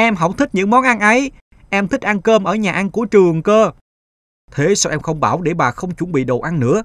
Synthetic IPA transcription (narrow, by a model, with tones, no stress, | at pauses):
ʔɛ˧mɦɔə˧˩w̚t̪ʰï˥k̚ɲɨ̰˧˥ŋmɔ˨˦nʔa˧nʔə˨˦j | ʔɛ˧mt̪ʰï˦˥k̚ʔa˧nkəː˧mʔəː˧˩ɲaː˨˩ʔa˧nku˧˩ət͡ɕɨ˨˩əŋkəː˧ | t̪ʰe˨˦sa˧wʔɛ˧mxə˧wŋ͡mɓaː˧˩wɗe˧˩ɓaː˨˩xə˧wŋ͡mt͡ɕu˧˩nɓḭ˧˨ɗo˨˩ʔa˧nnɨ̰˧˥ə